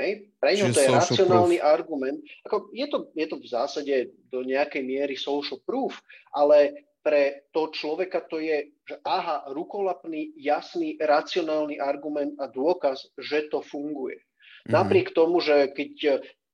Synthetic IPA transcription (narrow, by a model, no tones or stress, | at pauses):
ɦɛjpɾɛɲɦɔt̪ɔjɛɾat͡st͡sɪɔnaːlniʔaɾɡumɛnt̪̚akɔjɛt̪ɔjɛt̪ɔvzaːsaɟɛd̪ɔɲɛakɛjmɪɛɾisɔʊʃl̩pɾuːfʔalɛ | pɾɛt̪ɔɦɔt͡ʃlɔʋɛkat̪ɔjɛ | ʒɛʔaːɦaɾukɔlapnijasniɾat͡siɔnaːlniʔaɾɡumɛnd̪ad̪ʊɔkasʒɛt̪ɔfuŋɡujɛ̰ | napɾɪɛkt̪ɔmuʒɛkɛc